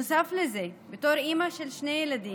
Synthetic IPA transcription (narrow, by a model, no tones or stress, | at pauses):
saflezeːbet̪oːɾʔiːmaʃelʃnejelad̪iː